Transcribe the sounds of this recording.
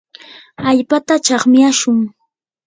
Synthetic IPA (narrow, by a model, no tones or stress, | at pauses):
aʎpat̪at͡ʃɑχmɪjaʃʊŋ